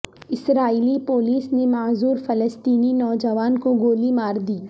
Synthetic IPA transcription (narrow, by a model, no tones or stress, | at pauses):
ɪsɾaːiːlipoːliːsnemaːzuːɾfɐləst̪iːninɔːd͡ʒəʋaːnkoɡoːlimaːɾd̪iː